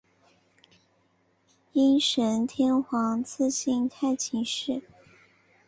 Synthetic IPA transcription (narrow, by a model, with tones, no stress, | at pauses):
i˥nʂə˧˥nt̪ʰjɛ˥nxwɑ˧˥ŋt͡sʰɹ̩˥˧ɕi˥˧nt̪ʰa˥˩ɪt͡ɕʰi˧˥ŋʂɻ̩˥˩